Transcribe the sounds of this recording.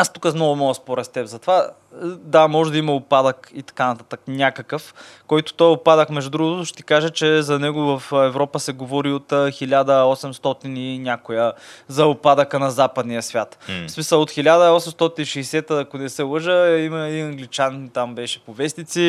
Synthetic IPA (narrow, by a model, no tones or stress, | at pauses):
ast̪u̥kəsnɔvʊmɔəspoɾɛst̪ɛpzɐt̪ova | d̪amɔʒɛd̪ɐimɐopad̪əkit̪ɐ̥kanɐt̪at̪əknʲakəkəfkɔjt̪ʊ̥t̪ɔjopad̪əxmɛʒd̪ud̪ɾuɡʊt̪ʊʃɛ̥t̪ikaʒət͡ʃɛzɐnɛɡʊvɐfɛvɾɔpəsɛɡovɔɾiot̪xilʲad̪əɔsɛmst̪ɔt̪ininʲakʊjəzɐʊpad̪əkənɐzapəd̪nijəsvʲjat̪fsmisəlˠot̪xʲilʲad̪əɔsɛmst̪ɔt̪iniʃɛːsɛt̪əːkonɛsɛlˠəʒəimɐiɐŋɡlit͡ʃant̪ambɛʃɛ̥povɛsnit̪si